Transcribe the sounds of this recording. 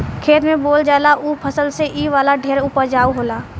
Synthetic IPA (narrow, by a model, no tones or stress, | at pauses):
kʰeːt̪mẽboːld͡ʒaːlaʔuːpʰəsəlseʔiːʋaːlaɖʱeːɾuːpəɾd͡ʒaːuɦoːlaː